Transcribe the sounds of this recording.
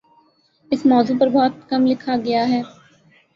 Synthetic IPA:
ɪsmɔːzuːpɐɾbɔːt̪kɐmlɪkʰaɡɐjaɦɛː

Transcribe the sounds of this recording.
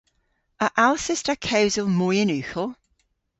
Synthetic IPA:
əʔalˠsɪstəkʰɛwzəlˠmɔjənʉːˑxəlˠ

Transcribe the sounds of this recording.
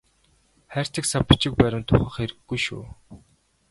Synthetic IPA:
χæːr̥ʲt̪ə̆ksapĭ̥t͡ɕɪ̆k̚pæɾʲɪ̆mt̪ʰʊχə̆χeɾɘ̆ɡːujʃṵː

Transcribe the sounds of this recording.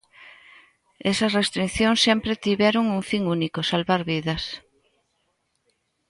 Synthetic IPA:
esɐsrest̪ɾinθjoŋsːempɾet̪iβɛɾoŋuŋfiŋunikosalβaɾβiðɐs

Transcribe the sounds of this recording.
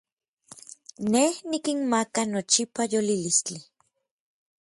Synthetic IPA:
nehnikinmakanot͡ʃipajolilist͡ɬi

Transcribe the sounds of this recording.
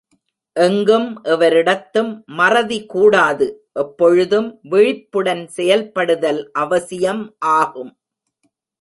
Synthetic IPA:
ʔɛŋɡɯmʔɛʋɐɾɪɽɐt̪ːɯmːɐrɐðikuːɽaːðɯ | ʔɛpːɔɻɯðɯmʋɪɻɪpːɯɽɐnsɛjɐlpɐɽɯðɐlʔɐʋɐsɪjɐmʔaːɣɯm

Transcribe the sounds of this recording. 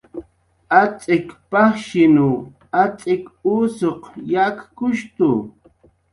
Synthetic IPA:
at͡sʼɪkpɑχʃɪnu | at͡sʼɪkusoqjakkʊʃt̪ʊ

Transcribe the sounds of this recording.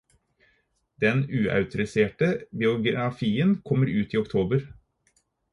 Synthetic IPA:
d̪̥ɛnʉːʔɑ̰ʉt̪ʊɾɪseːʈəbɪʊɡɾɑfiːənkʰɔmːəɾʉːt̪iːɔk̚t̪ʰoːbəɾ

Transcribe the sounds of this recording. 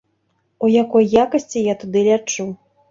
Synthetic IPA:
ujakɔjːakɐsʲt͡sʲijat̪ud̪ɨlʲat͡ʂu

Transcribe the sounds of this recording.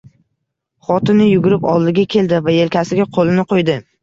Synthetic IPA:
χɒt̪ɪnɪjʊɡʲʊɾɪpɒlˠd̪ɪɡʲakʲʰe̞ld̪ɪvaje̞lkʲʰasɪɡʲaqʰolˠɪnɪqʰojd̪ɪ

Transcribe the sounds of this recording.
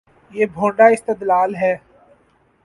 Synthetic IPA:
jeːbʱõːɳɖaːɪst̪əd̪laːlɦɛː

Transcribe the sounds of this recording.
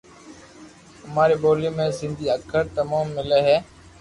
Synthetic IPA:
ʊmaːɾeːɓoːljoːmẽːsɪ̃nd̪ʱiːəkʰəɾt̪əmaːmːɪleːɦeː

